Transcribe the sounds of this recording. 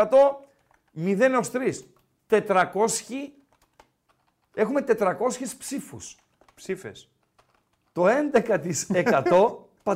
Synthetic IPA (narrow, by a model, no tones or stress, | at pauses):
ɐt̪o̞ | miðe̞nost̪ɾis | t̪e̞t̪ɾɐko̞sçi | e̞xume̞t̪e̞t̪ɾɐko̞sçispsifus | psifḛs | t̪o̞e̞nd̪ekɐt̪isekɐt̪o̞ | pɐ